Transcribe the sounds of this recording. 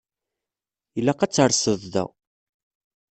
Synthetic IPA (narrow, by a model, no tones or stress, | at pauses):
jəlːæqæt͡sːəɾsəðˤðæ̰